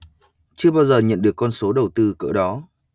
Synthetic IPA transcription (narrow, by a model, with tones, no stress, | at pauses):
t͡ɕɨ˧əɓaː˧wzəː˨˩ɲə̰˧˨nɗɨ˨˩əkːɔ˧nso˨˦ɗə˨˩wt̪ɨ˧kə̰ː˧˩ɗɔ˨˦